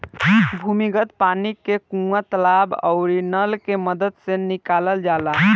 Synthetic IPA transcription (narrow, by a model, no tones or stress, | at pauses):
bʱumiɡət̪panikːekũat̪əlabə̰ʊɾinəlkeməd̪əd̪sẽnikaləld͡ʒala